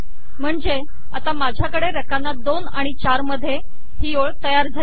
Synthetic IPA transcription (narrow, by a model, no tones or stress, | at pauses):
m̤əɳd͡ze | at̪amad͡ʑʱjakəɽeɾəkanːad̪onaɽ̃it͡ɕaɾməd̪ʱːje | hioɭt̪əjaɾd͡zʱal